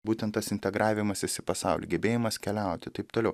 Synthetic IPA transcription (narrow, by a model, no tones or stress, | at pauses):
buːt̪ʲɛnt̪t̪ːɐsɪnʲt̪ʲɛɡɾɑːʋʲɪmɐsɪsʲɪpɐsɑˑʊlʲḭɡʲɛbʲeːjɪmɐskʲɛlʲɛˑʊt̪ʲɪt̪ɐɪpt̪oːlɛʊ